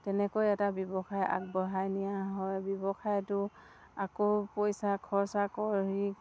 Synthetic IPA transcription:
tɛnɛkojɛtabjɔbɔxʰaja̰k̚bɔɦajnijaɦɔjbjɔbɔxʰajtʊ | akopojsakʰɔɹsakɔɹɦi

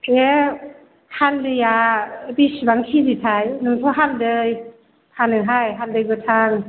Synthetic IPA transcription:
e | haldɯjabisbaŋkʰizitʰajnɯŋtʰɔɦaldɯj | pʰanɯɦajɦaldɯjbɯtʰaŋ

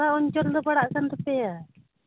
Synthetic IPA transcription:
aɔɲt͡ʃɔld̪ɔpaɽaʔkant̪ɔpɛja

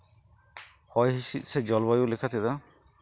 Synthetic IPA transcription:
hɔjɦisit̪̚ˀsed͡ʒɔlbajulekʰat̪ʰid̪a

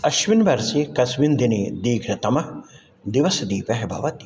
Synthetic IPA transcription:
ɐʃʋinʋɐɾsikɐsʋind̪ʱiniːd̪iːkʰɾɐt̪ɐmɐ | d̪iʋɐsɐd̪iːpɐɦebʱɐ̰ʋɐt̪i̥

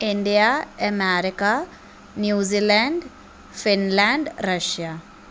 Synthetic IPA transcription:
iɳɖijaɐmaːɾika | njuːzilaɳɖ | finlaːɳɖɾɐʂja

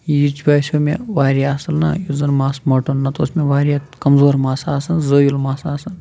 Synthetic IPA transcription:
jit͡ʃbaːsʲomḛ̃ʋaːɾijaːsɐlnɐ̰juzɐnmaːsmɐʈonːɐt̪oːsmẽʋaːɾʲjakɐmzoːɾmaːsaːsɐnzoːjilmaːsaːsɐn

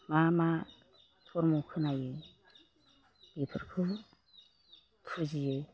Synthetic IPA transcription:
mama | tʰɔɾmɔkʰɯnajɯ | b̥ipʰɯɾkʰɯ | tʰuzijɯ

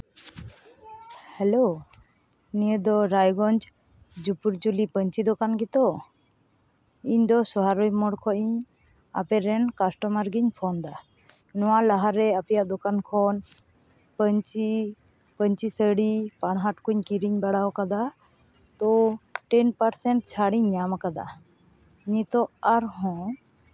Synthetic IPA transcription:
hɛlo | nijəd̪ɔɾajɡɔnd͡ʒ | d͡ʒupuɾd͡ʒulipəɲt͡ʃid̪ɔkanɡit̪ɔ | iɲd̪ɔsɔɦaɾujmɔɽkʰɔʔiɲ | a̰pɛɾɛnkasʈɔmaɾɡiɲpʰɔnd̪a | nɔwalaɦaɾɛapɛjaʔd̪ɔkankʰɔn | pəɲt͡ʃi | pəɲt͡ʃisəɽipaɽ̃ɦaʈkuɲkiɾiɲbaɽawkad̪a | t̪ɔʈɛnpaɾsɛɳʈ̚t͡ʃʰaɽiɲɲamakad̪a̰ | iɲĩt̪ɔaɾɦɔ̃

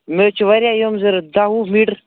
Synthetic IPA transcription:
meːt͡ʃʰʋɐɾʲjajomzəɾd̪aɦumiɽ

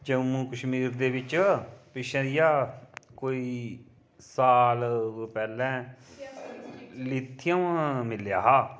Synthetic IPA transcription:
d͡ʒəmũːkəʃmiːɾd̪eːʋɪt͡ʃpɪʃɛ̃ːd̪ijaːkoːiː | saːlpɛːlɛ̃ː | lɪt̪ʰːɪjãmɪljaːɦaː

